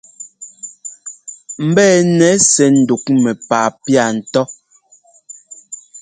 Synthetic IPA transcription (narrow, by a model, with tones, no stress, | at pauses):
m̩˨˦bɛː˦˨nɛ˨˦sɛ˨n̩˨du˨kmɛ˨paː˨pja˨n̩˨tɔ˦